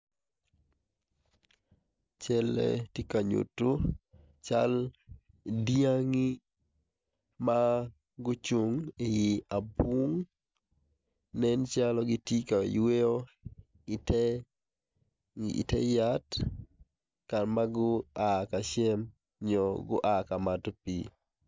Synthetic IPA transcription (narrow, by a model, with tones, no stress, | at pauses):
t͡ʃɛ˦lɛ̰ti˦ka˨ɲṵ˨tu˦ | t͡ʃa̰˦l | dija˦ŋi˦ | ma˦ | ɡʊ˦t͡ʃu˨ŋe˨ji˨a˨bu˦ŋ | nɛ˦nt͡ʃa˦lɔ˦ɡɪ˦ti˦ka˨we˦o˦ | tɛ | ḭ˨tɛ̰˦ja˦t | ka˨ɾma˦ɡʊ˦aka˨ʃɛ˦m | ɲɔɡʊ̰˦ʔaka˨ma˨to˦pi˨